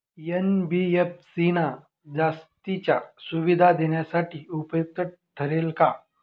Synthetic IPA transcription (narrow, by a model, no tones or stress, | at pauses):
jenbiefsina | d͡zast̪it͡ɕa̰suʋid̪ʱad̪eɳjasaʈʰiːupjək̚t̪əʈ | t̪ʰːəɾelka